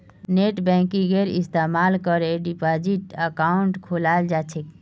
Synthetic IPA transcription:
neʈbɛ̃kĩɡeɾist̪emalkəɾeɖipad͡ʒiʈəkauɳʈkʰolald͡ʒat͡ʃʰek̚

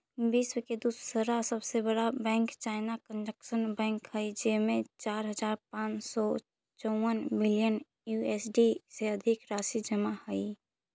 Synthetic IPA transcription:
biːswəked̪ussəɾasəbsebəɽabɛ̃ːŋkt͡ʃaːɪnakə̃nd͡ʒəkʃənbɛ̃ːŋkɦəid͡ʒemẽt͡ʃaːɾɦəd͡ʒaːɾpãːt͡ʃsɔ | t͡ʃɔwənmɪlijən | juesɖiseəd̪ʱɪkɾaːʃid͡ʒəmahəi

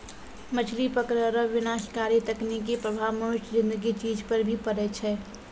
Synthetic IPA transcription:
mət͡ʃʰlipəkɾəɾəʋɪnaːʃkaːɾjet̪əknik̬epɾəbʱaːmoɪʃʈzɪ̃nd̪əɡit͡ʃiːd͡ʒpəɾbʱipəɾɛt͡ʃʰɛː

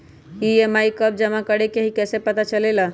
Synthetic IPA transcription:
iemaikəb̚d͡ʒəmakəɽekeɦikɛːsepət̪at͡ʃəlela

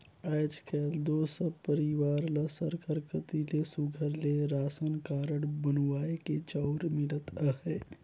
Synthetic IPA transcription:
aːd͡ʒkʰɛːld̪oːsəpəɾɪʋaːɾləsəɾkʰəɾkʰət̪ilesʊɡʱəɾleɾaːsənkaːɾəɽbənwaːeket͡ʃaːɾmɪlət̪əɦɛː

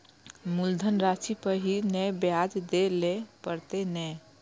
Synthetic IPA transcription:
muld̪ʱənɾat͡ʃipəɦinɛjbjad͡ʒd̪elepəɾt̪enɛ

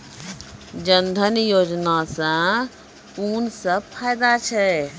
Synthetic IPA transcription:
d͡ʒənd̪ʱənjoːd͡ʒnasã | uːnsəb̚pʰajd̪at͡ʃʰɛ

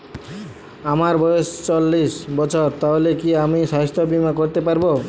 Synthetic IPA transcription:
amaɾbɔjest͡ɕolːisbɔt͡ɕʰoɾt̪aɦolekiamiʃaɦest̪ʰobimakoɾt̪epaɾbo

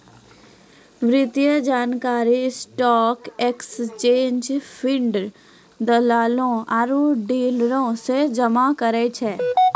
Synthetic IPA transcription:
ʋɾɪt̪ijəd͡ʒaːnkaːɾisʈɔːkekst͡ʃẽːɲd͡ʒpʰɪɳɖɾ | d̪əlaːlõaɾuɖiːlɾõsed͡ʒɐmakəɾet͡ʃʰɛː

